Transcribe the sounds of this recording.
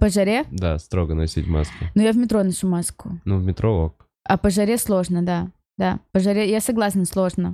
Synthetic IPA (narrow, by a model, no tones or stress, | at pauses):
pəʐɐɾʲed̪a̰st̪ɾoɡənɐsʲitʲma̰skʊnujavmʲɪt̪ɾonɐʂumaskʊnuvmʲɪt̪ɾook | ɐpəʐɐɾʲeslˠo̞ʐnəd̪a | d̪apəʐɐɾʲejasɐɡlˠasnəslˠo̞ʐnə